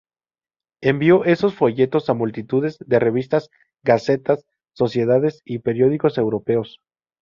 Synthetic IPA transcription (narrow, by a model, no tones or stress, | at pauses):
e̞mbjo̞ʔe̞so̞sfo̞ʝe̞t̪o̞samult̪it̪uðe̞zðe̞re̞βist̪az | ɡase̞t̪asː | o̞sje̞ðaðe̞sipe̞ɾjo̞ðiko̞se̞wɾo̞pe̞o̞s